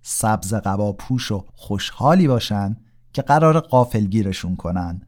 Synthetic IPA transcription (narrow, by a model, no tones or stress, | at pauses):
sæbze̞ɣævɒːpʰuːʃo̞xoʃhɒːliːbɒːʃænd̪̥ | cʰe̞ɢæɾɒːɾeɢɒːfe̞lɟiːɾe̞ʃunkʰo̞nænd̪̥